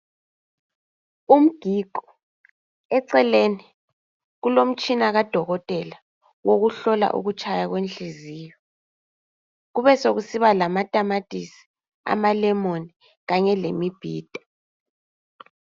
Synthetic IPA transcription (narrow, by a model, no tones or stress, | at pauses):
um̩ɡ̥ʱiːɡ̥ʱɔ̥ | ɛǀɛleni | ɣulom̩t͡ʃʼinaɣad̥ʱɔɣɔtʼɛla | woɣuɬɔla̰ʔṵɣut͡ʃʼʰajaɣwent͡ɬʼiziːjɔ | ɣuβɛsoɣusiβalamatʼamatʼisi̥ | a̰malɛmoni | ɣaɲɛlemib̥ʱiːd̥ʱḁ